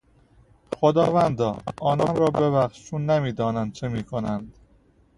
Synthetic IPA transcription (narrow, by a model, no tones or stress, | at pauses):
xod̪ɒːvænd̪ɒ̰ːʔɒːnɒːnɾɒːbe̞væxʃt͡ʃʰunːemiːd̪ɒːnænd̪̚t͡ʃʰemiːkʰonænd̪̥